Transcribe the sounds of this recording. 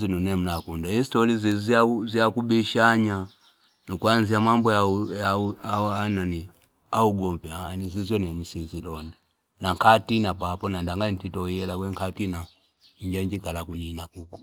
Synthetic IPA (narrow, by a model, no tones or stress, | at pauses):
zinunɛm̩nakundaistɔlizizaziakubiʃaɲa | nukwanziamambɔajaaanani | auɡɔmpjanizizɔnɛm̩sizilɔnɛ | naŋkatinapapɔnandaŋɡatitɔhiɛlakwɛŋkatina | ɲ̩d͡ʒaɲd͡ʒikalakuɲinakuku̥